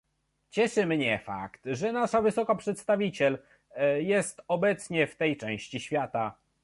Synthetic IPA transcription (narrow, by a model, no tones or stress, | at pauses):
t͡ɕɛʂɘmɲɛfa̰kt̪ʐɛnaʂavɘsɔkapʂɛt̪st̪avʲit͡ɕɛl | jɛst̪ɔbɛt̪sɲɛft̪ɛjt͡ʂɛ̃w̃ɕt͡ɕiɕfʲjat̪a